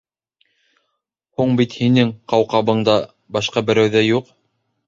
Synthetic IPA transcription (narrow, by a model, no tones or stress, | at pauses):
huɴbit̪hinɘŋqɑwqɑβɤ̆ɴd̪ɑ | bɑʃqɑbɘ̆ɾæwðæjuq